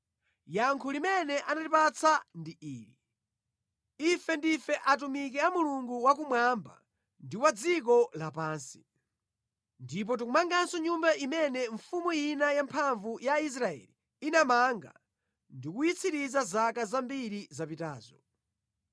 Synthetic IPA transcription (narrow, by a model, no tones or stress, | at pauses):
jaŋkʰulimɛnɛʔanalipat͡sʰandiiːɾi | ifɛndifɛʔatumik̬ɛamuluŋɡuwak̬umwamba̰ | ndiwad͡zikɔlapaːnsi̥ | ndip̬ɔt̬ukumaŋɡansɔɲumbaʔimɛnɛɱfumujinajampʰaɱvujais̬ɾaɛ̰li | inamaŋɡa̰ | ndikujit͡sʰiɾizazakazambiɾizapitaːzɔ